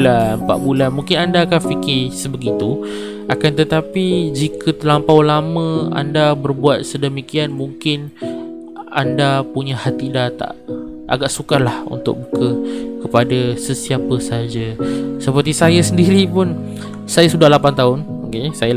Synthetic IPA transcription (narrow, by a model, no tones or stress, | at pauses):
lanpa̰ʔbulanmuŋkɪnandakanfikɪsəbəɡit̪u | akant̪ət̪apid͡ʒikʰət̪əlampawlamə̃a̰ndabərbuat̪̚sədəmikianmuŋkɪn | a̰ndapuɲahat̪idat̪a̰ʔ | ʔa̰ɡaʔsukalahṵnt̪ʊ̰k̚bukəkəpadasəsiapəsəɦad͡ʒasəpərt̪isajasəndiɾipʊn | sajasudahlapant̪aʊn | okesaja